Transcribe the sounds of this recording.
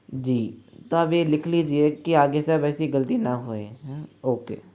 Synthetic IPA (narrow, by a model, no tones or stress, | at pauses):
d͡ʒiːt̪oəbeːlɪkʰliːd͡ʒieːkɪaːɡeseəbɛːsiɡəlt̪iːnaːɦoːeːoːkḛː